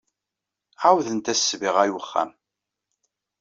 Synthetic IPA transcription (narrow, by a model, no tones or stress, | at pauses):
awðənt̪æsːviʁæjwəχːæ̰m